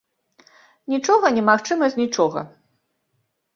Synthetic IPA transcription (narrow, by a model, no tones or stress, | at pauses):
nʲit͡ʂɔɣɐnʲɛmaxt͡ʂɨmɐsʲnʲit͡ʂɔɣɐ̰